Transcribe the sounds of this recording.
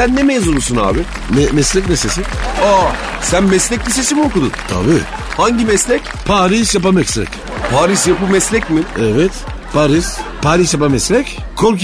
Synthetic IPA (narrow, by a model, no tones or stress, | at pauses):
ænːɛmeːzunusuna̰ːbɪ | nɛmɛslʲɛc̬nɛsesina | sænmɛslʲɛc̚lʲise̞simiokud̪unt̪ʰa̰bihaɲɟimɛslʲɛc | pʰaːɾisjapamɛkslʲɛ̰c | pʰaːɾiʃjapɯmɛslʲɛcmɪɛvɛt̪ | pʰaːɾispaːɾiʃjapamɛslʲɛc | kʰoɾk